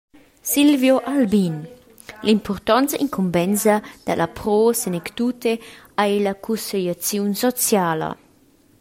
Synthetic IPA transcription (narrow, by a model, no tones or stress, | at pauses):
silvjoʔalbin | limpʰɔrt̪ɔnt͡sḭŋkʰumbɛnzad̪̥alʔapɾɔːsenɛkt̪ut̪e | ajlakʰuseʎat͡sjunsɔt͡sjaːlɐ̰